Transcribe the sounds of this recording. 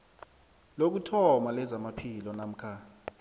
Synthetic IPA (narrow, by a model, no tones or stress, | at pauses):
lok̬utʰɔmalɛzamapʰilɔnam̩kʰa